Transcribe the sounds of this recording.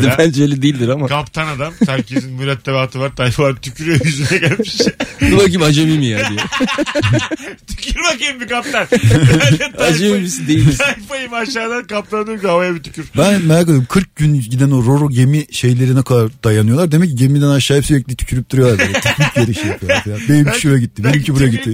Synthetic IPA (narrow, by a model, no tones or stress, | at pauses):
d̪ɛænd͡ʒøjlʲɛd̪eilʲd̪iɾamakʰapt̪ʰanad̪amæɾcʰezinmyɾɛt̪ʰːɛbaat̪ʰɯvaɾt̪ʰajfaaɾt̪ʰycʰyɾyjojyzynɛɟælʲmiiʃbulˠaɾɟibiad͡ʒamimijad̪iɛ | t̪ʰycʰyɾmakiimbikaplʲaɾʰ | ajd͡ʒamimisind̪ejisʰajfajɯmaʃaːd̪ankap̚t̪ˠand̪ɯkiavajabit̪ʰy̥cʰyɾbænmɛɾakad̪emkʰɯɾk̚ɟynɟid̪ænoɾo̞ɾoɟe̞miʃe̞jlʲe̞ɾinɛkʰad̪aɾd̪̥ajanɯjo̞lˠaɾd̪e̞mɛc̚ːiɟemid̪ænaʃaːjipsyɾɛc̚lʲit̪ʰy̥cʰyɾyp̚t̪ʰuɾujo̞aɾdtʰkpjeɾiʃek̪jabenimiʃølɛɟitt̪ːibenimcʰibuɾajaɟit̪ʰːi